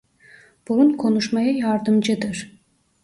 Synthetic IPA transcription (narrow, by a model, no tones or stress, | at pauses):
b̥uɾunkʰo̞nuʃmajajɑɾd̪ɯmd͡ʒɯd̪ɯɾ̥